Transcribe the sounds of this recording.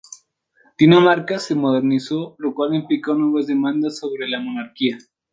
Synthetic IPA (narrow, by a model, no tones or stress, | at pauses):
t̪inamaɾkase̞mo̞ð̞eɾnisolokwalimplikonweβazðe̞mãnd̪asːo̞βɾe̞lamo̞naɾkia